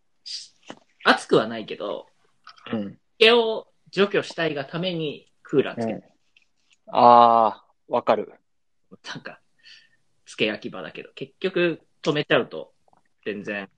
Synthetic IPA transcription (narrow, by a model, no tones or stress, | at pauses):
ɕ | at͡sɨ̥kɯ̟βanaike̞d̪õ̰ | ike̞o̞ | d͡ʑo̞kʲo̞ɕi̥t̪aiɡat̪ʰame̞ɲ̟i | kʰɯ̟ːɾa̰t͡sɨ̥ke | aː | βakaɾɯ̟̰ | nãŋka | t͡sɨ̥ke̞jakʲibad̪a̰ke̞d̪o̞ke̞kʲːokɯ̟ | t̪o̞me̞t͡ɕaɯ̟t̪o̞̰ | z̥ẽ̞nd͡zẽ̞